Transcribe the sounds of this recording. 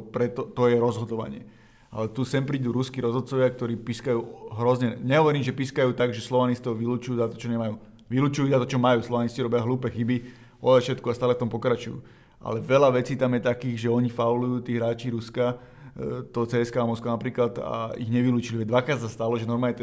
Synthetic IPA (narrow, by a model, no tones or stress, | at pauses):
pɾɛt̪ɔt̪ɔjɛɾɔzɦɔd̪ɔʋa̰ɲɪɛ̰ | a̰lɛt̪usɛmpɾiːd̪uɾuskiɾɔzɔt̪̚t͡sɔʋɪak̚t̪ɔɾiːpiskajuːɦɾɔzɲɛɲɛɦɔʋɔɾiːmʒɛpiskajuːt̪aɡʒɛslɔʋanist̪ɔʊʋiluːt͡ʃujuːzat̪ɔ̥t͡ʃɔɲɛmajuː | ʋiluːt͡ʃujuzat̪ɔt͡ʃɔmajuːslɔʋanisciɾɔbɪjaɦluːpɛxibi | ɔ̰ɛfʃɛt̪kuast̪aːlɛft̪ɔmpɔkɾat͡ʃujṵː | a̰lɛʋɛlaʋɛt͡siːt̪amjɛt̪akiːɣʒɛɔɲifaulujuːt̪iːɣɦɾaːt͡ʃiɾuska | t̪ɔt͡sɛːɛskaːmɔskʋanapɾiːklat̪a̰ḭɣɲɛʋiluːt͡ʃiliʋɛd̪ʋakɾaːt̪s̬ast̪alɔʒɛnɔɾmaːɲɛt̪